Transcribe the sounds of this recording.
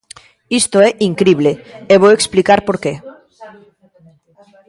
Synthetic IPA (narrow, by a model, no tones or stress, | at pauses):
ist̪oɛʔiŋkɾiβleeβoweksplikaɾpoɾke